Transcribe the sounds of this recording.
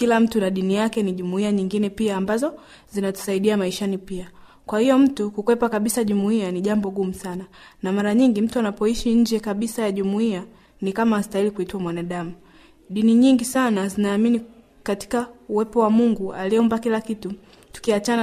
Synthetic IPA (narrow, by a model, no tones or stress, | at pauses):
kilam̩tunaɗinijakɛniʄumuiaɲiŋɡinɛpiaːmbazɔ | zinatu̥saiɗiamaiʃanipia | kwahijɔm̩tukukwɛpakaɓisaʄumuianiʄambɔɡumusananamaɾaɲiŋɡim̩tuanapɔiʃiɲ̩d͡ʒɛkaɓisajaʄumuia | nikamaasi̥tailikuituwamwanaɗamu | ɗiniɲiŋɡisanazinaːmini | kati̥kauwɛpɔwamuŋɡualiɔmbakilakitu | tu̥kiat͡ʃana